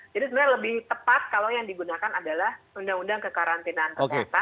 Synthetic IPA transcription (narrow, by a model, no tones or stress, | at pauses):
d͡ʒadisəbəɾɲaləbɪht̪əpat̪̚kalowjaŋdiɡunakanadalahundaŋundaŋkəkaɾant̪inank̪əoket̪a